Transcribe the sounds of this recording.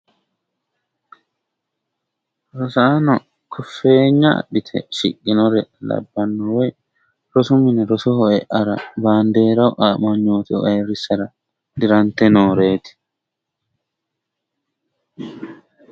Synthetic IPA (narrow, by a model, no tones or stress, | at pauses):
ɾɔsɐanɔ | kʰɔfːe̞ːɲːɐ̰ːɗɪt̪ʰɛ̰ʃɪ̰kʼːɪnɔɾɛlɐ̰bːɐnːɔwɔj | ɾɔsʊmɪnɛɾɔsɔhɔɛʔɐɾɐ̰baːnd̪e̞ːɾɐwʔaːmɐɲːoːt̪ɪɔ̰ʔɐjɾɪsːɐɾɐ | d̪ɪɾɐnt̪ːɛnoːɾe̞ːt̪ɪ̥